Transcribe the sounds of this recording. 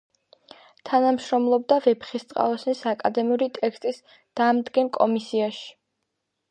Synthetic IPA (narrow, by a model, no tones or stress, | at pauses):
t̪ʰanamʃɾɔmlˠɔb̚d̪avɛpχist̪sʼqʼa̰lˠɔsnisakʼa̰d̪ɛmiuɾit̪ʼɛkʰst̪ʼis | d̪̥aːmd̪ɡɛnkʼɔ̰misiaʃi̥